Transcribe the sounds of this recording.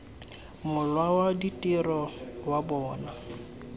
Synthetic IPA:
mʊlwawaditʼirɔwabɔːna

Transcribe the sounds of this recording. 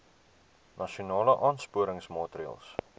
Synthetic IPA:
nʔɐʃiunɑːləʔɑːnspuəɾəŋsmɑːtriɑ̰lˠs

